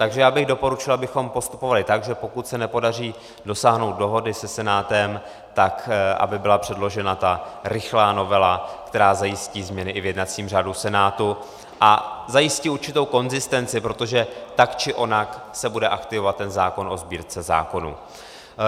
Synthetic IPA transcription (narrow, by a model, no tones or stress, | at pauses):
t̪aɡʒɛjaːbɪɣdo̞po̞ɾut͡ʃɪlʔabɪxo̞mpo̞st̪u̥po̞valɪt̪aɡʒɛpo̞kut̪sɛnɛpo̞dar̝iː | do̞saːɦno̞wt̪̚do̞ɦo̞dɪsɛsɛnaːt̪ɛm | t̪akʔa̰bɪbɪlapr̝̥ɛdlo̞ʒɛnat̪aɾɪxlaːno̞vɛlakt̪ɛɾaːzajɪsciːzmɲɛnɪʔɪvjɛdnat͡siːmraːdusɛnaːt̪u | ʔazajɪsciuɾt͡ʃɪt̪o̞wko̞nzɪst̪ɛnt͡sɪpɾo̞t̪o̞ʒɛt̪akt͡ʃɪʔo̞naksɛbudɛʔakt̪ɪvovat̪ːɛnzaːko̞nʔo̞zbiːɾt͡sɛza̰ːko̞nṵ